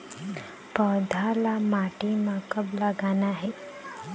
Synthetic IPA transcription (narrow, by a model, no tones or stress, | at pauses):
pəd̪ʱalamaʈimakəblaɡanaɦe